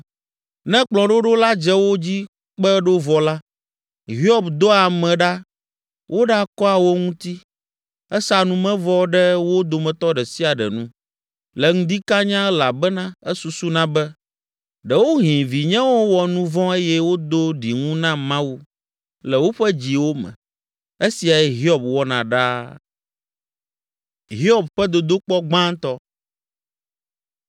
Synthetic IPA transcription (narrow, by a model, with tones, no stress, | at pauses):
nɛ̃˦k͡plɔ̃˨ɖo˦ɖo˦la˦d͡ʒɛ˦wo˦d͡ʑi˦ | k͡pɛ˦ɖo˦vɔ˨la˦ | ɦi˦ɔ˦bd̪o˦a˨mɛ̃˨ɖa˦ | wʔo˦ɖa˦kɔ˦a˨wo˦ŋũ˦t̪i˦ | ɛ˦sa˨nũ˦mɛ̃˦vɔ˦ɖɛ˦wo˦d̪o˨mɛ̃˨t̪ɔ˦ɖɛ˨si˦a˨ɖɛ̰˨nṵ̃˦ | lɛ˨ŋũ˦d̪i˦ka˦ɲã˦la˨bɛ˦nã˦ɛ˦su˨su˦nã˦bɛ˦ | ɖɛ˨wo˦ɦĩ˨vi˨ɲɛ̃˦wo˦wɔ˨nũ˦vɔ̃˦e˦jɛ˦wo˦d̪o˦ɖi˨ŋũ˦nã˦mã˦wu˦ | lɛ˨wo˦ɸɛ˦d͡ʑi˨wo˦mɛ̰̃˨ | e˦si˨a˨jɛ˦ɦi˦ɔ˨b̚wɔ˦nã˨ɖa˦ | ɦi˦ɔ˨b̚ɸɛ˦d̪o˨d̪o˦k͡pɔ˦ɡ͡bã˦ŋ˦t̪ɔ˦